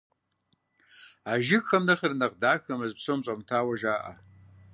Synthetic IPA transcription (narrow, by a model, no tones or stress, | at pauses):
aʒɪxʰɐmnɐχərnɐqdaːxɐmɨzpʰsomt͡sʼamtʰaːwaʒaːʔa̰